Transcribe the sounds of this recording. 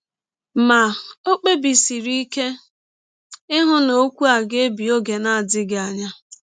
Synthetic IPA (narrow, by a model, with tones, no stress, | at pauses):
ma˨o˦k͡pe˦bi˨si˨ɾi˦ke˦ | ɪ˦ɦʊ˦no˦kʷu˦a˨ɡe˦bi˨o˦ɡe˨na˦a˨dɪ˦ɡɪ˨a˨ɲa˦